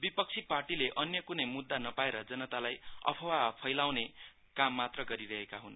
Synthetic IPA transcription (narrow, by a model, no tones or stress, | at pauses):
bipʌk̚t͡sʰiparʈileʔʌnjʌkunʌjmud̪ːanʌpaeɾʌd͡zʌnʌt̪alajʌ̰pʰʌwapʰʌjlawne | kamːat̪rʌɡʌɾiɾʌɦekaɦun